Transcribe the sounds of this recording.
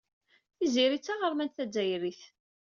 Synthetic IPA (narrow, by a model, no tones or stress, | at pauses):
θiziɾit͡sːaʁəɾˤmænθæd͡zːæjɾiθ